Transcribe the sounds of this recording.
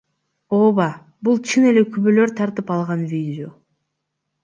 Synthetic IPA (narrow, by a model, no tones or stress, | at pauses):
oːβɑ | bulˠt͡ʃʰɯne̞le̞kʰyβølø̞ɾt̪ʰɑɾt̪ɯpɑlˠʁɑnvʲidʲɪo̞